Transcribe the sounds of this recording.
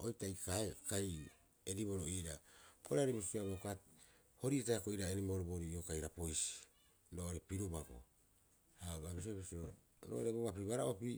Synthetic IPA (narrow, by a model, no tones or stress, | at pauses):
ojtajkaekaj | eɾiβo̞ɾoiɾaboɾeaɾibisiaβokat | ho̞ɾietaakoiɾaenimoɾoboɾiokajɾapo̞jsi̥ | ɾoːoɾe̞piɾubaɡo̰ | hababis̬obisio | ɾo̰ʔoɾeboɡapiβaɾaʔopi